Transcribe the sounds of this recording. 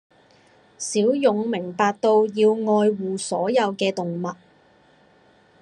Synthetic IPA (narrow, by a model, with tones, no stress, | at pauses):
siː˨˥wjʊ˨ŋmɪ˨˩ŋpaː˨k̚t̪o˧wjiː˧wŋɔː˧jwuː˨sɔː˨˥jɐ˨˧wkɛː˧t̪ʊ˨ŋmɐ˨t̚